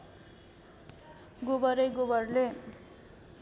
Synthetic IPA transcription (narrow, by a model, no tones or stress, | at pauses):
ɡobʌɾejɡobʌrle